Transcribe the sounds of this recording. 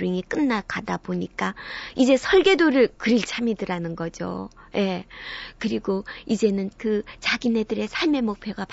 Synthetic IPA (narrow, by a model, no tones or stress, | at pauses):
ɾiŋik͈ɯnːakadaboɲik͈aid͡ʑe̞sʰʌɭɡe̞doɾɯɭkɯɾiɭt͡ɕʰamidɯɾanɯnɡʌd͡ʑo̰ | je̞kɯɾiɡoid͡ʑe̞nɯnkɯt͡ɕaɡine̞dɯɾe̞sʰaɭme̞mok̚pʰjoɡap